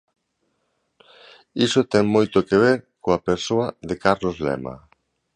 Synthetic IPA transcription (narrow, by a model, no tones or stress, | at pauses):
isot̪ɛŋmojt̪okeβeɾkoapeɾsoɐðekaɾlozlɛ̰mɐ̰